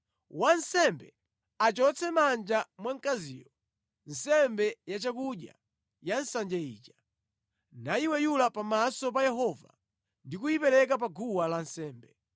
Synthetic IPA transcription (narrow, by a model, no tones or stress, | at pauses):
wansɛmbɛ̰ | at͡ʃɔt͡sɛmand͡ʒamwaŋ̩kazḭːjɔ | n̩sɛmbɛjat͡ʃakuɗja̰ | jansand͡ʒaḭːt͡ʃḁ | naiwɛjulapamasɔp̬ajɛɦɔva̰ | ndik̬ujipɛɾɛk̬ap̬aɡuwalansɛːmbɛ